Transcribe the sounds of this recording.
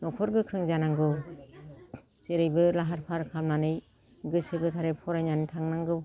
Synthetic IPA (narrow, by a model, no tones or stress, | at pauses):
nɔkʰɔɾɡɯkʰɾɯŋzanaŋɡɯw | seɾɯjbɯlaɦaɾpʰaɾkʰalmanɯj | ɡɯsɯbɯtʰaɾepʰɔɾajnanɯtʰaŋnaŋɡɯ